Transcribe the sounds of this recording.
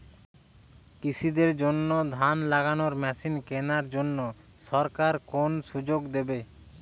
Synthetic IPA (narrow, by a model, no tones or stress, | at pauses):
kisʰid̪eɾd͡ʑonːod̪ʱanlaɡanoɾmɛʃinkenaɾd͡ʑonːo | ʃɔɾkaɾkonʃud͡ʑoɡd̪ebe